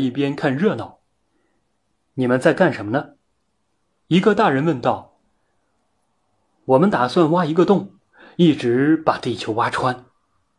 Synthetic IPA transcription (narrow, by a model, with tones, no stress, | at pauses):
i˥˩pjɛ˥nkʰa˥˧nɻɤ˥˧nɑ˨˩˦ʊ | ni˨˩mə˧˦nt͡sa˥˧ɪka˥˩nʂə˧˥nmə˧nə˧ | i˧˥ɡə˧t̪a˥˩ɻə˧˥nwə˥˧nt̪ɑ˥˩ʊ | wɔ˨˩mə˦nt̪a˨˩swa˥˧nwa˥i˧˥ɡə˧t̪ʊ˥˩ŋ | i˥˩ʈ͡ʂɻ̩˧˥pa˨˩t̪i˥˩t͡ɕʰjo˧˥ʊwa˥ʈ͡ʂʰwa˥n